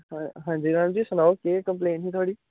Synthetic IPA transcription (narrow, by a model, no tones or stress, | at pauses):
ɦãːnd͡ʒiːɾãːmd͡ʒiːsʊnaːokeːkəmpleːniːt̪oaːɽiː